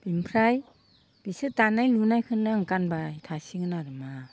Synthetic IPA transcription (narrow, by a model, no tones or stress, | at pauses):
b̥impʰɾaj | b̥isɯtanajlunajkʰɯnaŋkanbatʰasiŋnaɾɯma